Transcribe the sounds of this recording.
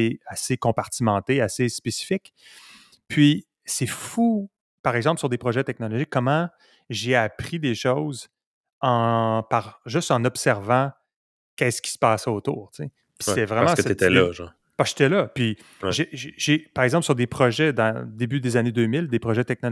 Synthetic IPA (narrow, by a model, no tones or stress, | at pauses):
asekɔ̃paʁ̥t̪imɑ̃t̪easespesi̥fɪk | pʰɥi | sɛfu | paʁɛɡzɑ̃plsyʁd̪epχɔʒɛt̪ɛk̚nɔlɔʒɪkːɔmɑ̃ | ʒeapʁid̪eʃɔwz | ɑ̃paʁʒʏst̪ɑ̃nɔbsɛʁvɑ̃ | kʲɛskʲi̥spɑːsɛot̪uːʁt̪t͡se | pi̥sɛvʁɛmaãsɛet̪ɛlʌʒɑ̰̃ | paʒ̥e̥t̪ɛlʌpɥi | ʒeʒʒ̥epaʁɛɡzɑ̃psyʁd̪epχɔʒɛd̪ɑ̃d̪ebyd̪ezaned̪øːmɪld̪epχɔʒɛt̪ɛk̚nɔ